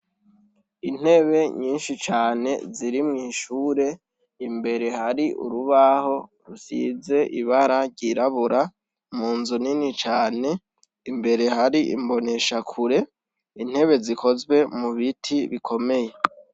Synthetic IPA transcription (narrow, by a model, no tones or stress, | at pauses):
in̥he̞βe̞ɲiːnʃit͡ʃaːne̞̰ziɾimŋiːʃuːɾe̞ | imbe̞ɾe̞haɾiʔṵɾuβaho̞ɾusize̞ʔiβaɾaɾɟiɾaβuɾa | muːnzuninit͡ʃaːne̞ | imbe̞ɾe̞haɾiʔḭmbo̞ne̞ʃakʰuɾe̞ | in̥he̞βe̞zikʰo̞zwe̞muβitʰiβikʰo̞me̞je̞